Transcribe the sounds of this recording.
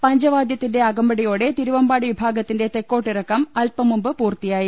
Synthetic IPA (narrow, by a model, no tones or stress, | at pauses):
pɐɲd͡ʑɐʋaːd̪jɐt̪ːinde̞ɐɡɐmbɐɽijo̞ːɽe̞t̪iɾuʋɐmbaːɽiʋibʱaːɡɐt̪ːinde̞t̪ekːo̞ːʈːirɐkːɐmɐlpɐmumbɨpuːrt̪ijaːji